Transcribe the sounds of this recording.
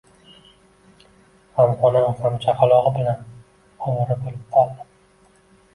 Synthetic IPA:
mamχɒnɪmχamt͡ʃʰaqalˠɒʁɨbɪlan | ɒmɾɪbolɪp̚qʰɒlˠd̪ɪm

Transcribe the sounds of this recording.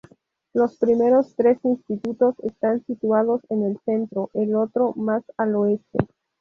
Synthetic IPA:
lo̞spɾime̞ɾo̞st̪ɾesinst̪it̪ut̪o̞sḛst̪ansit̪wað̞o̞senelse̞nt̪ɾo̞ʔelot̪ɾomasaloest̪ḛ

